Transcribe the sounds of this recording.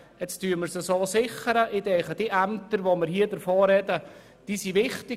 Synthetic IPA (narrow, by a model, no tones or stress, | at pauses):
ɛt͡styːəməɾsəsoːsɪχəɾəʔɪdɛːχəd̥iʔæmt̪əɾʋoməɾhiːədəɾfoːɾɛdə | d̥iːsiʋɪχtɪ